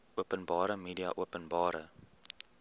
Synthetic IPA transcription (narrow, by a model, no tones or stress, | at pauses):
uəpənbɑːɾəmiːdiɐ̰ʔuəpənbɑːɾə̰